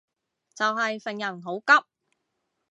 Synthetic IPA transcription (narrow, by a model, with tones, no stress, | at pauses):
t͡sɐ˨wɦɐ˨jfɛ˨ŋjɐ˨˩nɦo˨˥wkɐ˥p̚